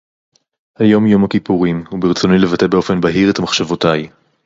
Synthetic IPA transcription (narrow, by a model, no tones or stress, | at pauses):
hajo̞mjo̞mhakipuʁimhubeʁt͡sonile̞vate̞be̞o̞fe̞nbaɦiʁet̪hamaχʃavotaj